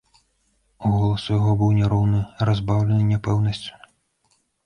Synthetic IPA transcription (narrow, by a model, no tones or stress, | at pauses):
uɣɔlˠɐsujaɣɔbɨwnʲɛɾɔwnɨrazbawlʲɛnɨnʲɛpɛwnɐsʲt͡sʲu̥